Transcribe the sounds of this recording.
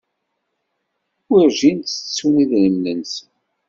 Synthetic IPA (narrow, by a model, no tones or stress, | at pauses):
wiɾʒint̪ːə̥t͡sːuniðnəmːəns